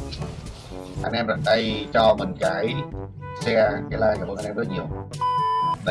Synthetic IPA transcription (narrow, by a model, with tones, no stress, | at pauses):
ʔa̰˧nʔɛ˧mza˨˩t̪a˧jt͡ɕɔ˧mɨ˨˩ŋkaː˨˦j | sɛ˧kaː˨˧˦jlaː˧jkaː˧˩˨ʔa˧nʔɛ˧zə˦˥t̚ɲi˨˩əw